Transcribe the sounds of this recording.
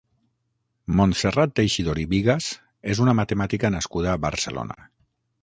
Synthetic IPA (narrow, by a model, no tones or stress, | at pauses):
monserat̪̚d̪ejʃiðoɾiβiɣaz | ezunamat̪emat̪ikanaskuðaːβəɾsəlo̰na̰